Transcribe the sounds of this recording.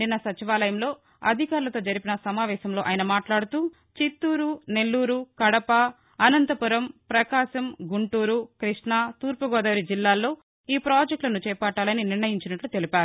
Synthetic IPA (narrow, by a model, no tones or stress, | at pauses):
inːɐsɐt͡ʃiʋaːlɐjɐmlo̞ː | ɐd̪ʱikaːɾlɐt̪o̞ːd͡ʒɐɾipinɐsɐmaːʋɛːʃɐmlo̞ːʔɐjiɐnɐmaːʈlaːɽut̪uː | t͡ʃit̪ːuːɾune̞lːuːɾukɐɽɐpɐː | nɐnt̪ɐpuɾɐmpɾɐkaːʃɐmɡuɳʈuːɾukɾiʂɳat̪uːɾpɐɡɔːd̪ɐʋɾid͡ʒilːaːlːo̞ː | iːpɾaːd͡ʒek̚ʈlɐnut͡ʃɛːpɐʈːaːlɐniniɾɳɐjiɲt͡ʃinɐʈlut̪e̞lipaːɾu